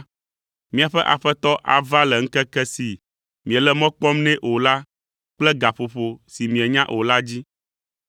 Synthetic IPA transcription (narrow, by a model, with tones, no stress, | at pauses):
mĩ˨a˨ɸɛ˦ʔa̰˨ɸɛ˦t̪ɔ˦ʔa̰˨va˦lɛ˨ŋ̩̃˦kɛ˦kɛ˦si˨ | mĩ˨ɛ˨lɛ˦mɔ̃˦k͡pɔ˦mnɛ̃˦ʔo˨la˦ | k͡plɛ˦ɡa˨ɸo˨ɸo˨si˨mĩ˨ɛ˨ɲã˦ʔo˨la˦d͡ʑi˦